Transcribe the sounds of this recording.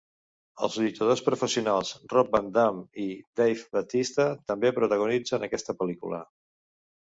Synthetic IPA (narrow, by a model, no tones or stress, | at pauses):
əlˠzðit̪əðospɾufəsiunalˠzrɔb̚bənd̪amid̪ejfbət̪ist̪ət̪əmbepɾut̪əɣunid͡zənəkɛst̪əpəlikṵlə̰